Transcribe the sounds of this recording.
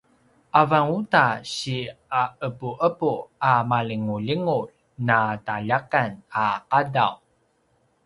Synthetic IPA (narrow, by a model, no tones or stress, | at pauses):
ʔavaŋutaɕiaəpuʔəpuamaliŋuliŋul | nataʎakanaqada̰w